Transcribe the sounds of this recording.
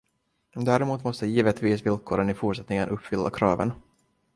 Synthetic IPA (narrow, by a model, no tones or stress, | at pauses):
d̪æːɾɛmuːt̪mɔst̪əjiːvət̪viːsvɪlkʰoːɾənɪfuːʈʂɛt̪nɪŋənʔɵpːfʏlːa̰kʰɾɑːvə̰n